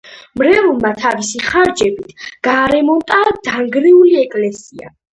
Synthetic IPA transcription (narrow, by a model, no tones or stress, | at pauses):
mɾɛulˠmat̪ʰavisiχaɾd͡ʒɛbit̪ʰɡ̥aːɾɛmɔnt̪ʼad̪̥aŋɡɾɛuliɛkʼlɛsia̰